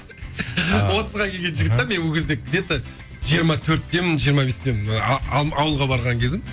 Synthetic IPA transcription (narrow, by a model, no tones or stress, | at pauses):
wo̞t̪əzʁɑkʲʰeɡʲenʒɪɡʲɪt̪ːeme̞nwɵkʰʲezd̪ek̚ʲʰːɪd̪e̞t̪ɪ | ʒijəɾmɑt̪ʰɵɾt̪̚d̪ʲe̞mɪnʒijəɾmɑbe̞sd̪ʲe̞mɪnɑwəlˠʁɑbɑɾʁɑŋkʲʰe̞zɪm